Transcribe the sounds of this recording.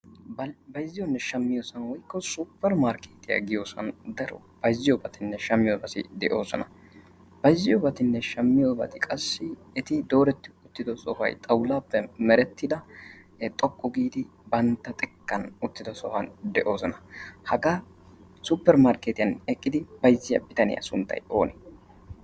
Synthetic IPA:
bbɐjzːɪjɔnːɛʃɐmːɪjoːsɐnwɔjkːɔsupːɛɾmaːɾkeːt̪ɪja̰ɡɪjo̞ːsɐ̰nd̪ɐɾɔ | b̥ɐjzːɪjɔbɐt̪ɪnːɛʃɐmːɪjɔbɐsɪ̰d̪ɛʔo̞ːsɔ̰nɐ | b̥ɐjzːɪjɔbɐt̪ɪnːɛʃɐmːɪjobɐ̰t̪ɪkʼɐsːɪː | t̪ɪd̪o̞ːɾɛt̪ːɪʊt̪ːɪd̪ɔsɔfɐ̰jt̪ʼɐwlaːpːɛmɛɾɛt̪ːɪd̪ɐt̪ʼɔkʼːɔɡiːd̪ɪ | bɐnt̪ːɐt̪ʼɛkːɐnʊt̪ːɪd̪ɔsɔhɐnd̪ɛʔo̞ːsɔnɐhɐɡaː | supːɛɾmaːɾkeːt̪ɪjɐnɛkʼːɪd̪ɪb̥ɐjzːɪjɐ̰bɪt̪ɐnɪ̰jɐ̰sʊnt̪ːɐ̰jo̞ːnɛ

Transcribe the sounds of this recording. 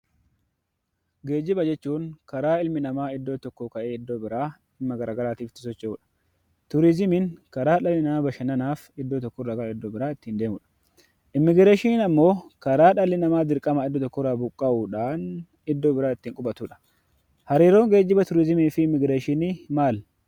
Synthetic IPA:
ɡe̞ːd͡ʒːɪbɐd͡ʒɛt͡ʃːuːŋkɐɾaːɪlmɪnɐmaːɪd̪ːo̞ːt̪ɔkːokɐʔeːɪd̪ːo̞ːbɪɾaː | ɪmːɐɡɐɾaːɡɐɾaːt̪iːft̪ːɪ̥sɔt͡ʃːɛuːᶑɐ̥ | t̪ʊɾɪzɪmɪnkɐɾaːᶑɐlːɪnɐmaːbɐʃɐnɐnaːfɪd̪ːoːt̪ɔkːɔrɐɡɐlɪd̪ːoːbɪɾaːɪt̪ːiːnd̪e̞ːmʊᶑɐ̥ | ʔɪmːɪɡɾeːʃɪnɐmːo̞ːkɐɾaːᶑɐlːɪnɐmaːd̪ɪɾkʼɐmɐɪd̪ːoːt̪ɔkːɔraːbʊkʼːɐʔuːᶑaːn | ɪd̪ːoːbɪɾaːɪt̪ːiːŋkʼʊbɐt̪uːᶑɐ̥ | hɐɾiːɾo̞ːŋɡe̞ːd͡ʒːɪbɐt̪ʊɾɪzɪmiːfɪɪmːɪɡɾeːʃɪnɪmaːl

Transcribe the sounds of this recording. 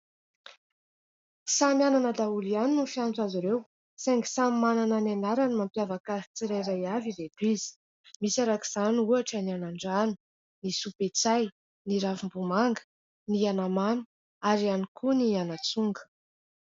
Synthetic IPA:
samʲananəd̪aulianinufjant͡saziɾew | saŋɡi̥samimanananenaɾanimampjavakazit͡siɾajɾajavived̪wizi̥ | misaɾaki̥z̥anuaʈ͡ʂənianaɳɖ͡ʐanu | nisupet͡saj | niɾafimbumaŋɡə̥ | nianamanu̥ | aɾianikʰunianat͡suŋɡə̥

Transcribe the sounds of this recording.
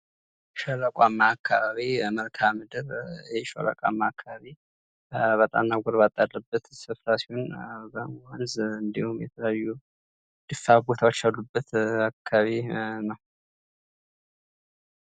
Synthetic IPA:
ʃɔləkʼamːaːkʰːaβaβiməlkʰamɨd̪ɨɾjɛʃo̰lə̰kʼa̰mːaːkʰːaβaβi | βət̪ʼa̰mnaɡʷɔɾbat̪ʼːad̪ːəbːət̪sɨfɾasiwonbəanzɨnd̪ihumjɛ̰t̪ʰələajːu | d̪̥ɨfabot̪ʰawot͡ʃːalːubːət̪akʰːaβinəw

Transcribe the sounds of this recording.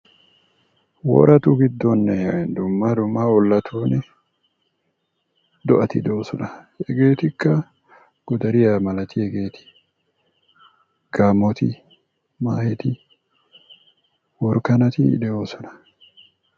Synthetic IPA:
wɔ̰ːɾɐt̪uɡɪd̪ːonːɛd̪ʊmːɐd̪ʊmːaɔlːɐt̪ʰuːnɛ | d̪ɔʔɐt̪ɪd̪oːsɔnɐ | ɛɡe̞ːt̪ɪkːɐ | ɡ̥ʊd̪ɐɾɪjamɐlɐt̪ɪɛɡe̞ːt̪ɪ̥ | ɡ̥aːmɔt̪ɪ | maːhɛt̪ɪ | wɔɾkɐnɐt̪ɪ̰ːᶑ̪ɛoːsɔnɐ̥

